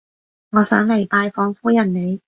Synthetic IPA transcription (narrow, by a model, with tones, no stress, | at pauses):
ŋɔː˨˧sœː˨˥ŋle˨˩jpaː˧jfɔː˧ŋfuː˥jɐ˨˩nne˨˧j